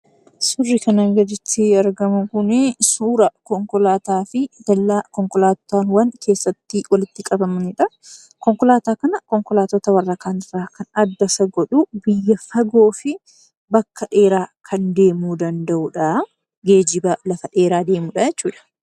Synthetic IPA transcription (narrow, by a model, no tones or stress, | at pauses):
sʊrːɪkɐnɐŋɡɐd̪ɪt̪ʰːɪɐɾɡɐmʊŋkʊnesuːɾɐkɔŋkɔlaːt̪aːfɪd̪̥ɐlːaːkɔŋkɔlaːt̪ɔ̥t̪anwɐnkʰe̞ːsːɐt̪ːɪwɐlɪt̪ːɪkʼɐbɐmɐnɪᶑɐ | kɔŋkɔlaːt̪aːkɐnɐkɔŋkɔlaːt̪ɔt̪ɐwɐrːɐkʰaːnɪrːaːkɐnɐd̪ːɐsɐɡɔᶑubɪjːɐfɐɡo̞ːfɪ | bɐkːɐᶑe̞ːɾaːkʰɐnd̪e̞ːmuːd̪ɐnd̪ɐʔuᶑɐ | ɡe̞ːd͡ʒɪbaːlɐfɐᶑe̞ːɾaːd̪e̞ːmuᶑɐjɛt͡ʃːuːᶑɐ̥